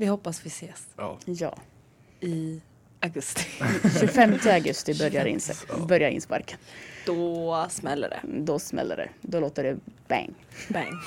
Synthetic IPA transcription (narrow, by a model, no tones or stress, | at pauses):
vɪhɔpːasvɪseːsjɑ̰ː | ɪ | aɡɵst̪ɪ̥ʃʉɡfɛmt̪ʰəaɡɵst̪ɪbœɾjaɾɪ̰nsɛbœɾjaɾɪ̰nspa̰ɾkənd̪̥ɔsmɛlːə̰ɖɛ̰d̪ɔsmɛ̰lːə̰ɖɛ̰d̪ɔloːt̪əɖɛb̥ɛ̰ŋːbɛŋ